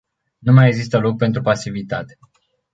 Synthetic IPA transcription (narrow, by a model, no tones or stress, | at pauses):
numajeɡzis̬t̪əlo̞k̚pe̞nt̪ɾupasivit̪at̪e̥